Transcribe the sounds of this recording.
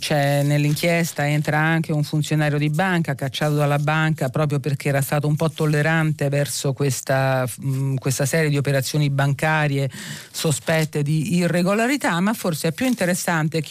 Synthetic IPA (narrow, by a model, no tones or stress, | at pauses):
t͡ʃɛnelːiŋk̟ʰjest̪aɛnt̪ɾaaŋk̟euɱfunt̪sjonaːɾjod̪ibaŋkakat͡ʃːaːt̪od̪alabaŋkapɾɔːpɾjoperk̟eɛːɾast̪aːt̪oumpɔt̪ːolːeɾant̪evɛrsokwest̪a | kwest̪asɛːɾjed̪iopeɾat̪sːjoːnibaŋkaːɾjesospɛt̪ːed̪iːrːeɡolaɾit̪amːafːorseɛpːjuint̪eɾesːant̪ek